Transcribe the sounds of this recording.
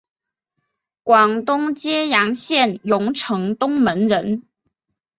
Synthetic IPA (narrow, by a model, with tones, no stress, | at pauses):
kwɑ˨˩ŋt̪ʊ˥ŋt͡ɕjɛ˥jɑ˧˥ŋɕjɛ˥˩njʊ˧˥ŋʈ͡ʂʰɤ˧˥ŋt̪ʊ˥ŋmə˧˥nɻə˧˥n